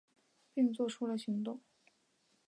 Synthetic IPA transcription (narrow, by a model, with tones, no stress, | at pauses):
pi˥˧ŋt͡swɔ˥˩ʈ͡ʂʰu˥lə˨ɕi˧˥ŋt̪ʊ˥˩ŋ